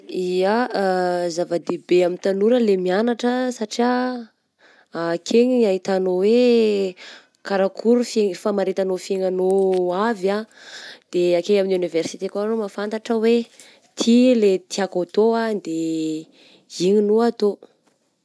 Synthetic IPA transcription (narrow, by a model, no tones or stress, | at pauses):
ia | zavəd̪ebeamint̪anuɾəlemianaʈ͡ʂəsaʈ͡ʂia | akʰeɲiɲaɦit̪anowe | kaɾakʰuɾufefamaɾet̪anofeŋanoavad̪̥eakeɲaminiuniversi̥t̪ekoanomafant̪aʈ͡ʂəwe | t̪ʰilet̪ʰiakot̪oad̪e | iɲinuat̪o